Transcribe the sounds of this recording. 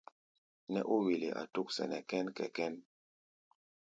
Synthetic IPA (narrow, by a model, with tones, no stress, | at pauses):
nɛ̰˦ʔu˦wi˨li˨ʔa̰˨tu˦k̚sɛ̰˨nɛ˨kɛ˦nkɛ̰˨kɛ˦n